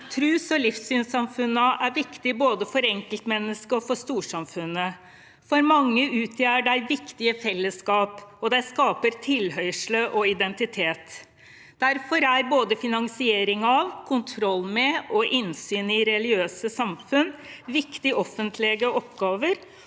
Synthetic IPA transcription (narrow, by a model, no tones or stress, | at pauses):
t̪ʰɾʉːsɔlɪfsyːnsɑmfʉnːəæɾʋɪkt̪ɪboːd̪əfɔɾɛŋkəlt̪mɛnːəskəɔfɔʂt̪uːʂɑmfʉnːə | fɔɾmɑŋːəʉːt̪ʰjæːəɖæɪʋɪkt̪ɪəfɛlːəskɑːpɔd̪æɪskɑːpəɾt̪ʰɪlɦœʏʂləʔɔɪd̪ɛnt̪ɪt̪ʰeːt̪ | d̪̥æɾfɔɾæɾboːd̪əfɪnɑŋsɪeːɾɪŋɑʋkʰʊnt̪ʰɾɔlːmɛʔɔʔɪnsyːnɪɾɛlɪɡøːsəsɑmfʉnʋɪkt̪ɪɔfːənt̪ʰlɛɡəɔpɡɑːʋəɾ